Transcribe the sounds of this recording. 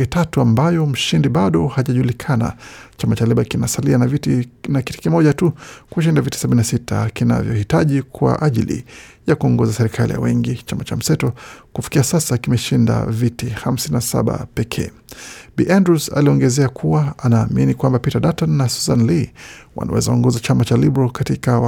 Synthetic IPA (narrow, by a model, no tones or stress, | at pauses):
ɛtatuambajɔm̩ʃindiɓaɗɔhaʄaʄulikʰana̰t͡ʃamat͡ʃalɛɓakinasalianavitnakiti̥kimɔʄatukuʃ̬indaviti̥saɓininasitʰa̰kina̰vjɔhitaʄikwa̰ʔaʄilḭjakuɔŋɡɔzasɛɾikʰalḭja̰wɛŋɡit͡ʃamat͡ʃam̩sɛtɔkufi̥kiasasakimɛʃinda̰vitiham̩sininasa̰ɓa̰pɛkʰɛ̰ː | ɓiʔandɾusa̰liɔŋɡɛzɛakʰuwaanaːminikwambapitaɗatanːasuzanliwa̰na̰wɛ̰zaɔŋɡɔzat͡ʃamat͡ʃalibɾalkatika